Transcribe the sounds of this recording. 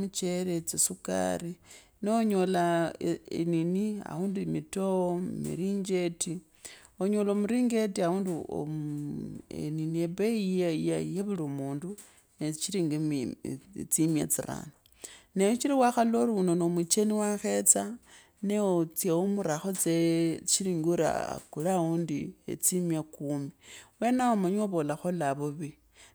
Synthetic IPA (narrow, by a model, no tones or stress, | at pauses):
mut͡ʃeɾet͡sesuka̰ri | neoɲolaḛninia̰huːndumitoommḭɾiɲd͡ʒe̞ti | oɲolomuɾiŋɡe̞tiauːnduo̰ | ḛniniebeijajeβulomuːndu | net͡ʃiɾiŋɡem | t͡simja̰t͡siɾa̰no | nejot͡ʃiɾiwaxaloɾunonomut͡ʃeniwaxe̞t͡sa | neot͡sjeomuɾaxot͡set͡ʃiɾiːŋɡuɾa̰kulaundiḛt͡simjakuːmiwenaomaɲoβolaxolaβuβi